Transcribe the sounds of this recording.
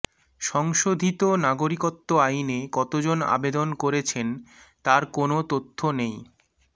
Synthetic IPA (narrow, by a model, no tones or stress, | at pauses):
ʃɔŋʃod̪ʱit̪onaɡoɾikot̪ːoajnekɔt̪od͡ʑona̰bed̪onkoɾet͡ɕʰent̪aɾkonot̪ot̪ʰːonej